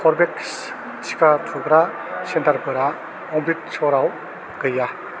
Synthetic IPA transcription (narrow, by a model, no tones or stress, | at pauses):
pʰɔɾbeks | si̥kʰatʰuɡɾa | sentaɾbɯɾa | ɔŋbit̚sɔɾaw | ɡɯja